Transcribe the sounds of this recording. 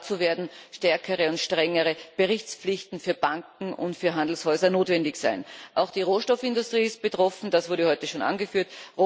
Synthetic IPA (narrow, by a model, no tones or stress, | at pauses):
t͡suveːɐdn̩ʃtɛɐkʰəʁəʊntʃtʁ̥ɛŋəʁəb̥əʁɪçt͡sp͡flɪçtn̩fyːɐb̥aŋkŋ̩ʊ̰ntfyːɐɦandl̩shɔʏzɐnoːtvɛndɪçsæɪnʔaʊxd̥iːʁoːʃtɔfɪndʊstʁ̥iːɪst̚b̥ətʁ̥ɔfn̩d̥asv̥ʊɐɾəhɔʏtəʃoːnʔa̰nɡəfyːɐtʁo